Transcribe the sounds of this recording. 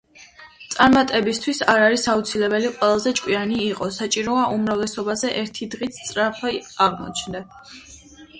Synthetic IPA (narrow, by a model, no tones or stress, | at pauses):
t̪sʼaɾmat̪ʼɛbist̪ʰwisaɾaɾisaut̪sʰilɛbɛliqʼwɛlˠazɛt͡ʃʼkʼwianiːqʼɔsat͡ʃʼiɾɔaʔumɾavlɛsɔbazɛʔɛɾt̪ʰid̪ʁit̪sʰt̪sʼɾapʰɛaʁmɔ̰t͡ʃʰnd̪a